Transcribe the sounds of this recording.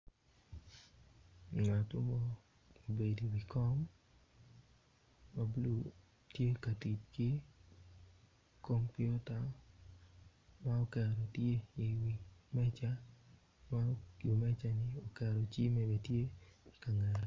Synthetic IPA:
ŋa˨tʊ˦mɔ˦ | o˨be˨di˨wi˨kɔ˦m | a˨blu˨ | tje˦ka˨ti˨t͡ʃki˦ | ko˦mpɪ˦ɔ˦ta˨ | ma˦o˦kɛ˨ɾo˨tje˦i˨wi˨mɛ˦t͡ʃa˦ | ma˦i˨mɛ˦t͡ʃa˨nɪ˨o˨kɛ˨ɾo˨t͡ʃi˦mɛ˨be˨tje˦i˨ka˨ŋɛ˨ɾ

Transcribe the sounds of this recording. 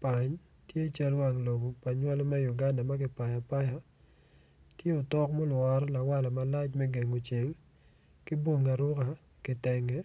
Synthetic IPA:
pa˨ɲ | tje˦t͡ʃa˦lwa˨ŋlo˨ɡo˨pa˨ɲwa˦lo˦mɛ˦ju˨ɡa˦nda˨ma˦kɪ˨pa˨ja˨pa˦ja˦ | tje˦o˨tɔ˦kmɔ˦lwɔ˨ɾla˨wa˦la˨ma˨la˦t͡ʃmɛ˦ɡe˨ŋo˨t͡ʃe˨l | kɪ˦bwo˦ŋa˨ɾʊ˦ka˨ | kɪ˨tɛ˨ŋɛ˦

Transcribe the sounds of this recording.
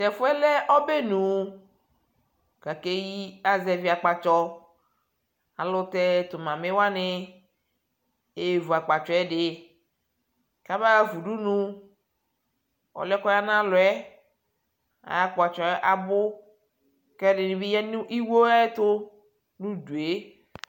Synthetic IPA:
tɛ˨fʊ˦ɛ˦lɛ˦ʔɔ˦be˦nũ˨ | ka˨ke˦ji˦a˨zɛ˨vi˨˦a˨k͡pa˨t͡ʃɔ˦ | a̰˨lʊ˦t̪ɛ˦t̪ʊ˨mã˨mɪ˦wa˦nɪ˦ | e˨vu˨a˨k͡pa˨t͡ʃɔ˨ɛ˦dɪ˨ | ka˦ba˦vu˨du˦nũ˦ | ɔ̰˨lɛ˦kɔ˦ja˦nã˦lʊ˨ɛ˦ | a̰˨ja˦k͡pa˨t͡ʃɔ˨ɛ˦ʔa˨bʊ˦ | kɛ˦dɪ˨nĩ˨bi˦ɛ˦nu˦ʔi˦wo˦ɛ˦t̪ʊ˦ | nu˦du˨e˦

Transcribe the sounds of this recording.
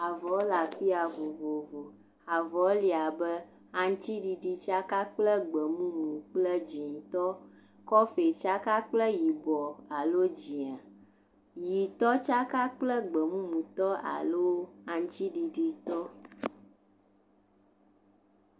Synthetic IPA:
a˨vɔ˨˦la˨fi˦a˨vo˨vo˨vo˨ | a˨vɔ˨˦li˨a˨bɛ˦ | a˨ŋ˦t̪i˦ɖi˨ɖi˦t͡ʃa˦ka˦k͡plɛ˦ɡ͡bə˨mũ˦mũ˨k͡plɛ˦d͡ʒi˨ŋ˨t̪ɔ˦ | kɔ˦fe˨t͡ʃa˦ka˦k͡plɛ˦ji˨bɔ˨a˨lo˦d͡ʒi˨a˨ | ji˨t̪ɔ˦t͡ʃa˦ka˦k͡plɛ˦ɡ͡bə˨mũ˦mũ˨t̪ɔ˦a̰˨lo˦a˨ŋ̩˦t̪i˦ɖi˨ɖi˦t̪ɔ˦

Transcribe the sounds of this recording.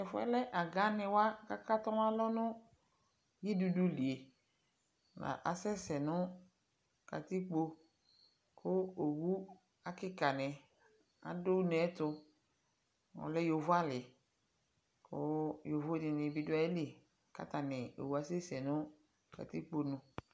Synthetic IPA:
ɛ˨fʊ˦ɛ̰˦lɛ˦ʔa˨ɡa˦nɪ̃˨wa˦ka˦ka˦t̪ɔ˦n˦a˦lɔ˦nʊ̃˦ | ji˦du˨du˦li˨e˨ | nã̰˨ʔa˨sɛ˦sɛ˨nʊ˦ | ka̰˨t̪i˦k͡po˦ | kʰʊ˦o˨wu˦ | a˦kɪ˦ka˨nɪ̃˨ | a̰˨do˦nɛ˨˦tʊ˧ | ŋɔ̰˨lɛ˦jo˨vʊ˦a˦lɪ˨ | kʊ˦jo˨vo˦dɪ˨nɪ̃˨bi˨˦dʊ˦a˨e˦li˨ | ka̰˦ta˨nɪ˨o̰˨wu˨˦a˦sɛ˦sɛ˨nʊ̃˦ | ka̰˨t̪i˦k͡po˨nʊ̃˨

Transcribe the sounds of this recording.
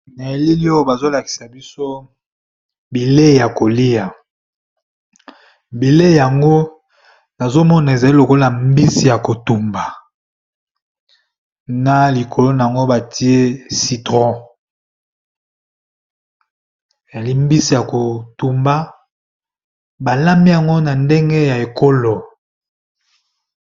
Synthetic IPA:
na˨e˨li˦li˦o˦˨ba˨zo˦la˨ki̥˨sa˨bi˦so˦ | bi˨le˦˨ja˨ko˨li˦ja˨ | bi˨le˦˨ja˨ŋɡo˦ | na˨zo˦mɔ˦na˨e˨za˨li˦lo˨ko˦la˨mbi˦si˨ja˨ko˨tu˨mba˨ | na˨li˨kʰo˨lo˦na˨a˨ŋɡo˦ba˨tʰi˦e˦si˨tʁɔ̃˦ | e˨za˨li˦mbi˦si˨ja˨ko˨tu˨mba˦ | ba˨la˦mi˦ja˨ŋɡo˦na˨nde˦ŋɡe˦ja˨e˨ko˦lo˨

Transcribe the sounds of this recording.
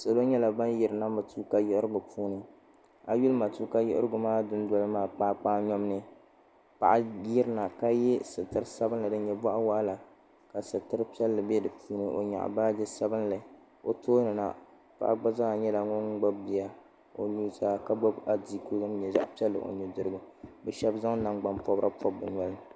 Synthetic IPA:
sa˨lo˦ɲɛ˦la˨ba˦nji˨ɾɨ˨na˦ma˨tuː˦ka˦jɛ˦ʔɪ˦ɾɨ˦ɡʊ˨pʰuː˦nɨ˨ | a˨ju˦lma˨tuː˦ka˦jɪ̰˦ʔɪ̰˦ɾɨ˦ɡʊ˨maː˦dʊ˦n˦dɔ˦lɨ˦maː˦pa˦k͡paː˦ɲɔ˦m˦nɨ˦ | pa˨ʔa˨˦ji˦ɾɨ˦na˨ka˦jɛ˦sɨ˨tɨ˦ɾɨ˦sa˦bɨ˦nlɨ˨dɨ˦ɲɛ˨bɔ˦ʔa˦wa˦ʔla˨ | ka˨sɨ˨tɨ˦ɾɨ˦pi˦ɛ˦lːɨ˨bɛ˦dɨ˨pʰuː˦nɨ˨ʔo̰˨ɲa̰˨ʔbaː˦d͡ʒɛ˦sa˦bɨ˦nla˨˦ | o˨toː˦nɨ˨na̰˨ | pa̰˨ʔa˦ɡ͡ba˦za˦˨ɲɛ˦la˨ŋɔ˦n˦ɡ͡ba˦b̚bi˨a˨ | o̰˨luː˦zaː˦ka˦ɡ͡bɔ˦ba˦di˦ko˦ɡa˦mɲɛ˨za̰˦ʔpi˦ɛ˦lːɨ̰˨ʔo̰˨ɲɛ˨dɨ˦ɾɨ˦ɡu˦bɛ˨ʃɛ˦bza˦ŋ˦na˦ŋɡ͡ba˨mpɔ˦bɾa˦pʰɔ˦b̚ːɨ˨ɲɔ˦lɨ˦n˨

